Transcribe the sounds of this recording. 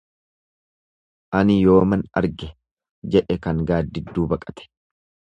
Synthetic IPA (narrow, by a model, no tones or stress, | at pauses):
ʔɐnɪjo̞ːmɐnɐ̰ɾɡɛ | d͡ʒɛʔɛkɐŋɡaːd̪ːɪd̪ːuːbɐkʼɐt̪ɛ̥